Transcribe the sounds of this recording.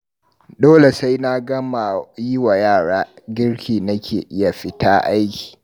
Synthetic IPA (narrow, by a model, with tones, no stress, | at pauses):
doː˦le˨sa˦jna˦ɡɐ˦ma˨ji˦wa˨jaː˦˨ɽaː˦ɡʲɪ˦ɽkʲʰiː˨nɐ˦kʲḛː˨ʔɪ˦ja˨ɸɪ˦taː˦ʔa˦jkʲi̥ː˨